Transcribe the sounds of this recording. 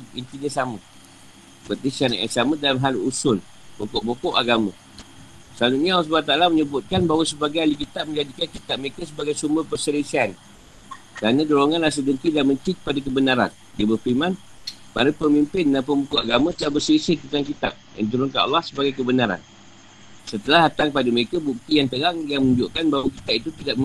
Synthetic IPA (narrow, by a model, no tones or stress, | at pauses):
int̪iɲasamə | bət̪isiana̰ʔa̰samədalamɦalusʊn | bokɔʔbokɔʔaɡamə̰̃ | səalut̪̚ɲaalːɔs̬ubalat̪aalaməɲəbʊt̪̚kanbaɦwasəbaɡajalik̬it̪aʔ̚mə̃ɲd͡ʒadikankit̪aʔ̚məikəs̬əbaɡajsumbərpərsəlisian | kəɾanãdoloŋãnras̬ədənt̪idaʔmə̃ɲt͡ʃipadak̬əbənaɾa̰n | diabərfimãn | pa̰ɾupəmimpɪnːanpəmbukoʔaɡamə̃t̪əlahbərsəisɪt̪ənt̪ankit̪a̰ʔ̚da̰nt̪̬uɾunkana̰lːahsəbaɡajkəbənaɾa̰n | sət̪əlahat̪aŋpadaməɾekabuk̚t̪ijaŋt̪əɾaŋjaŋməɲud͡ʒʊʔkanbaɦwakit̪aʔ̚it̪ut̪idaʔ